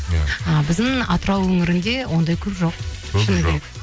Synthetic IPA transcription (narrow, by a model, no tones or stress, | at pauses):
əbɪzd̪ɪŋɑt̪əɾɑwɵŋɪɾɪnd̪e̞wʔo̞nd̪ɑjkʲʰɵpʒo̞qʰɪneek